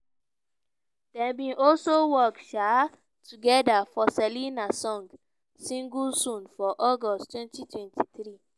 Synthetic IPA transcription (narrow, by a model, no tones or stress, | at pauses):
d̥ɛ̃bĩnʔɔlsowɔkʃa | tʰuɡɛdafɔsɛlinasɔ̃ŋɡ | sĩŋɡulsɔ̃nfɔʔɔɡɔsttwɛ̃ntitwɛ̃ntʰiθɹi